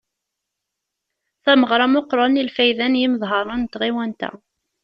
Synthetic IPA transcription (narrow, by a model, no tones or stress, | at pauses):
θæməʁɾˤɑmoqɾˤɑnilfæjðænjiməðˤɦɑɾˤɑnt̪ʁiwænt̪æ̰